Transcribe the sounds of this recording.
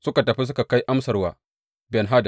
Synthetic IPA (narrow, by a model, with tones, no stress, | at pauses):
sʊ˦ka˨tɐ˨ɸi˦s̬ʊ˦ka˨ka˦jʔa˦msɐ˨rwaː˨ | bɛ˨nɦaː˦d